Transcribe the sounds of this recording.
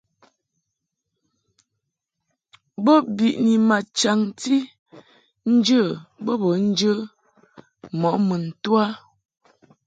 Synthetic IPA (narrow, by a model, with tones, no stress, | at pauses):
bə˦bi˨ʔni˨ma˨t͡ʃa˨ŋti˦ | n̩˦d͡ʒə˦˨bə˦bə˨˦n̩˦d͡ʒə˦ | mɔ˨˦mə˨n̩˨twa˦